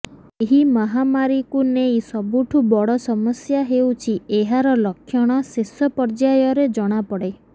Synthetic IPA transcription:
eɦimɔɦamaɾikunejsɔbuʈʰubɔɽɔsɔmɔsjaɦewt͡ʃʰieɦaɾɔlɔkʰːjɔɽ̃ɔsesɔpɔɾd͡ʒajɔɾed͡ʒɔɽ̃apɔɽe

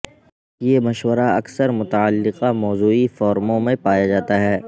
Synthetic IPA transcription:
jemɐʃwəɾaɐksəɾmʊt̪aəlːɪqamɔːzuːifɔːɾmõmẽpaːjad͡ʒaːt̪aɦɛː

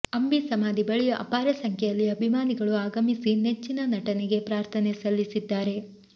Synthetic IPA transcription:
ɐmbisɐmaːd̪ibɐɭijɐʔɐ̰paːɾɐsɐŋkʰɛjɐlːiɐbʱimaːniɡɐɭuaːɡɐmisinet͡ʃːinɐnɐʈɐneɡe̞pɾaːɾt̪ʰɐnesɐlːisid̪ːaːɾe̞

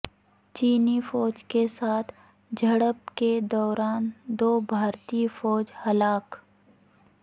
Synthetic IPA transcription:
t͡ʃiːnifɔːd͡ʒkesaːt̪ʰ | d͡ʒʱɐɽəbked̪ɔːɾaːnd̪oːbʱaːɾt̪ifɔːd͡ʒhɐlaːk

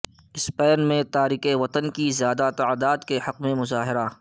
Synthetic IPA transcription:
ɪspɛːnmẽt̪aːɾiːqeʋɐt̪ənkizjaːd̪at̪aːd̪aːd̪kehɐqmẽmʊzaːɦɪɾaː

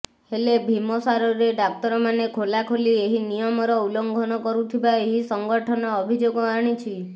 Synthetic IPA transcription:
helebʱimɔsaɾɔɾeɖak̚t̪ɔɾɔmanekʰolakʰolieɦinijɔmɔɾɔulɔŋɡʱɔnɔkɔɾut̪ʰibaeɦisɔŋɡɔʈʰɔnɔːbʱid͡ʒoɡɔaɽ̃it͡ʃʰi

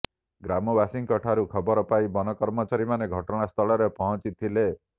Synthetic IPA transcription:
ɡɾamɔbasiŋkɔʈʰaɾukʰɔbɔɾɔpajbɔnɔkɔɾmɔt͡ʃaɾimaneɡʱɔʈɔɽ̃ast̪ʰɔɭɔɾepɔɦɔ̃t͡ʃit̪ʰile

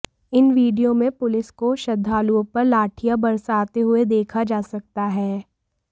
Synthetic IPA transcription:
ɪnʋiːɖijõmẽpʊlɪskoʃɐd̪ʱːaːluõpɐɾlaːʈʰijabɐɾsaːt̪eɦʊed̪eːkʰad͡ʒaːsɐk̚t̪aɦɛː

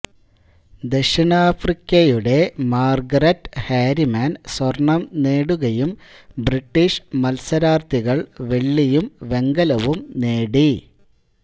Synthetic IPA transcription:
d̪eʂiɳaːfrikʲːɐjuɽe̞maːrɡɐɾɐtːhaːɾimaːnswɐrɳɐmne̞ːɽuɣɐjumbriʈːiʂmɐlsɐɾaːrt̪ʰiɣɐɭʋeɭːijumʋe̞ŋɡɐlɐʋumneːɽi

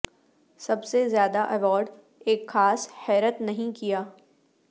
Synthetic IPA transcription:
sɐbsezjaːd̪aʔɐʋɔːɾɖ | eːkxaːshɛːɾət̪nɐɦĩkijaː

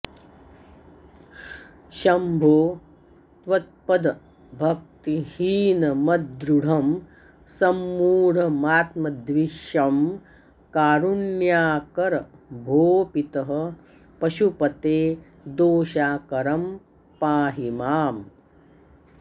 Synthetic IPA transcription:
ʃɐmbʱoː | t̪ʋɐt̪̚pɐd̪ɐ | bʱɐk̚t̪ihiːnɐmɐd̪ɾuɽ̤ɐm | sɐmːuːɽ̤ɐmaːt̪mɐd̪ʋiʃɐm | kaːɾunjaːkɐɾɐbʱoːpit̪ɐɦɐ̆ | pɐʃupɐt̪eː | d̪oːʃaːkɐɾɐm | paːɦimaːm

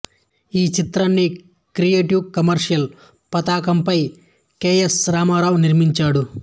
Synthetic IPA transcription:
iːt͡ʃit̪ɾɐnːi | kɾijeːʈiwkɐmɐɾʂijɐl | pɐt̪aːkɐmpɐj | keːjesɾaːmaːɾaːwniɾmiɲt͡ʃaːɽu

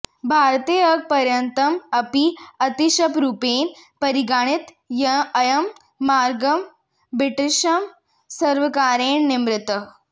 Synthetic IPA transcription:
bʱaɾt̪iːəɡ̚pɐɾjɐnt̪ɐmɐpiɐt̪iʃɐpɾuːpeːnpɐɾiɡaːɽ̃it̪ | jɐɐjɐmː | aːɾɡɐm | bɾiʈiʃɐm | sɐɾʋəkaːɾeːɳnimɾɪt̪ə

